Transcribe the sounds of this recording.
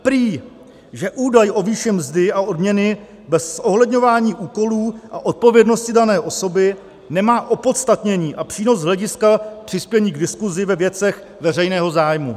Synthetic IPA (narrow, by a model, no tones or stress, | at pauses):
pɾiː | ʒɛʔuːdajʔo̞viːʃɪmzdɪaʔo̞dmɲɛnɪ | bɛsːo̞ɦlɛdɲo̞vaːɲiːʔuːko̞luːʔaʔo̞t̪̚po̞vjɛdno̞scɪdanɛːʔo̞so̞bɪ | nɛmaːʔo̞po̞t̪st̪at̪ɲɛɲiːʔapr̥iːno̞zzɦlɛɟɪskapr̥ɪspjɛɲiːɡdɪskuzɪvɛvjɛt͡sɛx | vɛrɛjnɛːɦo̞zaːjmu